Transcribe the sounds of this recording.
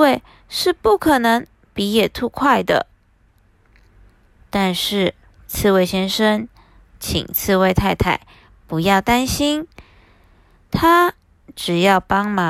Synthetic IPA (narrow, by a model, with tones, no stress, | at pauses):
we˥˧ɪ | ʂɻ̩˥˧pu˥˩kʰɤ˨˩nɤ˧˥ŋ | pi˧˥jɛ˨˩t̪ʰu˥˧kʰwa˥˩ɪd̪ə̰˩ | t̪a˥˧nʂɻ̩˥˩ | t͡sʰɹ̩˥˧we˥˩ɪɕjɛ˥nʂə˥ŋ | t͡ɕʰḭ˨˩ŋt͡sʰɹ̩˥˧we˥˧ɪt̪ʰa˥˧ɪt̪ʰa˥˩ɪ | pu˧˥jɑ˥˩ʊt̪a˥nɕi˥n | t̪ʰa˥ | ʈ͡ʂɻ̩˨˩jɑ˥˩ʊpɑ˥ŋma˨˥